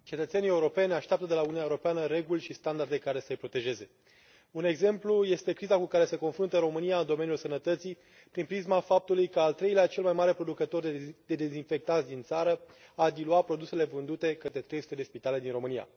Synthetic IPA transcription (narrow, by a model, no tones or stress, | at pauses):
t͡ʃe̞t̪ət̪se̞nije̞uɾo̞pe̞nʲaʃt̪eap̚t̪əd̪e̞laununaeuɾopeanəɾe̞ɡulʲʃist̪and̪ard̪e̞kaɾe̞səjpɾo̞t̪e̞ʒe̞ze̞ | une̞ɡze̞mpluje̞st̪e̞kɾizakukaɾe̞se̞ko̞nfɾunt̪əɾo̞mɨnijaɨnd̪o̞me̞nijulsənət̪ət̪si | pɾinpɾizmafap̚t̪ulujkəalt̪ɾe̞jleat͡ʃe̞lmajmaɾe̞pɾo̞d̪ukət̪o̞rd̪e̞d̪e̞zinfe̞k̚t̪atzʲd̪int̪saɾə | ad̪iluapɾo̞d̪use̞le̞vɨnd̪ut̪e̞kət̪ɾe̞t̪ɾejsut̪d̪e̞spit̪ale̞d̪inɾo̞mɨnija̰